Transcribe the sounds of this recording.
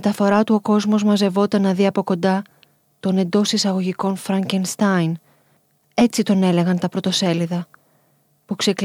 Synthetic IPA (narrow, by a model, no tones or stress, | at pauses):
et̪ɐfo̞ɾɐt̪uo̞ko̞zmo̞zmɐze̞vo̞t̪ɐnːɐðiɐpo̞ko̞nd̪ɐ | t̪o̞ne̞nd̪o̞sisɐɣo̞ʝiko̞nfɾɐɲcenst̪ɐjn | e̞t͡sit̪o̞ne̞le̞ɣɐnt̪ɐpɾo̞t̪o̞se̞liðɐ | pukse̞k